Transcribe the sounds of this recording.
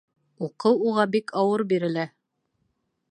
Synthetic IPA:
uqɤwuʁɑbikʰɑwɤɾbiɾɘ̆læ

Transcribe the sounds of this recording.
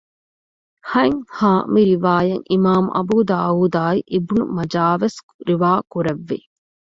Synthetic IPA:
hɐŋhaːmiɾiʋaːjɐŋʔimaːmuʔɐ̰buːd̪aːuːd̪aːiʔebunṵmɐd͡ʒaːʋes | ɾiʋaːkuɾɐʋːi

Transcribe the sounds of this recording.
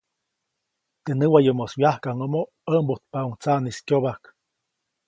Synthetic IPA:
t̪ənɨwajomoswjahkaŋomo | əmbot̪̚pauŋt͡saniskʲjoβak

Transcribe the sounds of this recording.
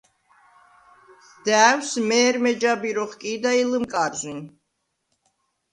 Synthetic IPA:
d̪̥æːwsmɛːɾmɛd͡ʒabiɾɔχkʼiːd̪ailɨmkʼaɾzin

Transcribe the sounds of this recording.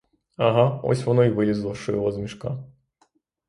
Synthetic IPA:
aɦaɔ̰sʲʋɔnɔiʋɪʋʲizlˠɔʃt͡ʃɔjɔɦɔzmʲiʃka

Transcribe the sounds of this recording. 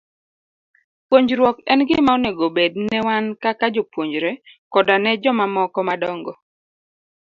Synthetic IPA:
pwoɲd͡ʒɾwɔkɛnɡɪmaonɛɡobednɛwankakad͡ʒɔpwoɲd͡ʒɾɛkɔdanɛd͡ʒɔmamɔkɔmadɔŋɡɔ

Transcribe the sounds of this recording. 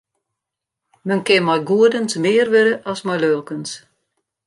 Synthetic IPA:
mənkɪmɔjɡuədənsmɪərʋøɾəʔɔsmɔjløːlˠkəns

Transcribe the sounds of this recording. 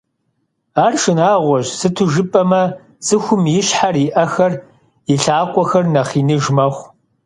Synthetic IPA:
aːrʂɨnaːʁʷɔʑsɨtʰʊʒɨpʼɐmɐ | sɨxʷʊmjɪɕħarɪʔɐxɐr | jɪɬaːqʷʼɔxɐrnɐχiːnɨʒmɐχʷ

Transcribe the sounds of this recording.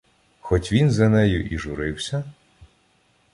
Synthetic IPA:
xɔtʲʋʲinzɐnɛjʊʔiʒʊɾɪwsʲɐ

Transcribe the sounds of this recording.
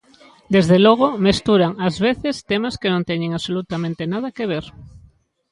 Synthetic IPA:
d̪ezðelɔɣ̞omest̪uɾaŋazβeθest̪emaskenõnt̪ɛɲẽŋaβsolut̪amẽnt̪enað̞ɐkeβ̞eɾ

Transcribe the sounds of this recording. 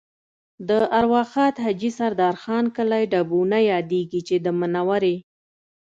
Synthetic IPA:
d̪əaɾwɑxɑt̪had͡ʒisaɾd̪ɑɾxɑnkəlajɖabunajɑd̪eɡit͡ʃed̪əmənawaɾe

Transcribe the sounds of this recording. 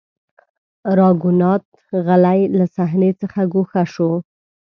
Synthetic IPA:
ɾɑɡunɑt̪̚ | ɣalajlasaɦnet͡səxaɡoxaʃo

